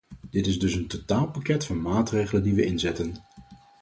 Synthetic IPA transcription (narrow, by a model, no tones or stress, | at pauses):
d̥ɪtɪzdɵsəntotaːlˠpakɛtfʊmaːtrejχələndiʋəʔɪnzɛtən